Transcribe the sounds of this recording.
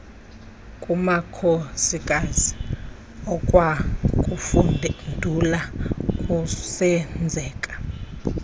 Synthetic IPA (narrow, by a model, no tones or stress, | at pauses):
kʼumakʰosikʼazi | ɔkʼwakʼufundʱulakʼusɛnd͡zʱɛːkʼḁ